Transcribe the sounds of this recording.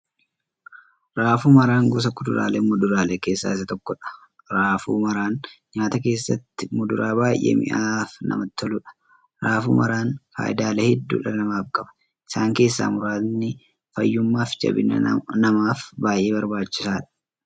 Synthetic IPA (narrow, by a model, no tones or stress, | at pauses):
ɾaːfuːmɐɾaːŋɡʊs̬ɐkʊd̪ʊɾa̰ːlemʊd̪ʊɾaːleke̞ːsːa̰ːɪsɐt̪ɔkːɔᶑɐ̥ | ɾaːfṵːmɐɾaːnɲaːt̪ɐke̞ːsːɐt̪ːɪmʊd̪ʊɾʔaːbaːjʔḛmɪ̰ʔaːfnɐ̰mɐt̪ʰːɔlʊᶑɐ̥ | ɾaːfṵːmɐɾaːnfa̰ːjd̪aːlɛhɛd̪ːṵːᶑɐnɐmaːfkʼɐbɐ̥ | ʔɪ̥saːŋke̞ːsːa̰ːmʊɾaːnːɪ | fɐjːʊmːaːfd͡ʒɐ̰bɪ̰nɐ̰nɐmaːfbaːjʔeːbɐɾbaːt͡ʃːɪsaːᶑɐ̥